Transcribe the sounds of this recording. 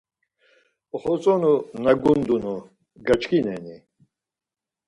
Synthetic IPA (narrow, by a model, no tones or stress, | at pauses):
ɔχɔt͡sʼɔnunɐɡund̪unu | ɡɐt͡ʃkʰinɛni